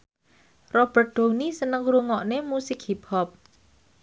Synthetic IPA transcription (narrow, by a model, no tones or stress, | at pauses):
rɔb̥ərt̪̚d̪̥o̤nisənəŋɾuŋɔʔnemusɪk̚hipɔp̚